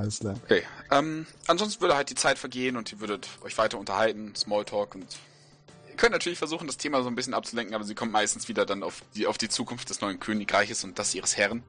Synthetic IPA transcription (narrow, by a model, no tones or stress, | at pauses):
slaokʰeːʔɛːmʔanzɔnstn̩vʏɐdəhalt̚d̥iːt͡saɪtfɛɐɡeːənʊntd̥iːɐvʏɐdətʔɔ̰ʏçv̥aɪtɐʊntɐhaltn̩smɔːltʰɔːkʊnt | iːɐkʰœntnatʰyɐlɪçfɛɐzuːχn̩dastʰeːmazoːnbɪsçənʔap̚t͡sulɛŋkŋ̩ʔaːbɐziːkʰɔmtmaɪstn̩sv̥iːdɐdanaʊfd̥iːaʊfd̥iːt͡suːkʰʊnft̚d̥ɛsnɔʏənkʰøːnɪkʁaɪçəsʊnt̚d̥asʔiːʁəshɛʁn̩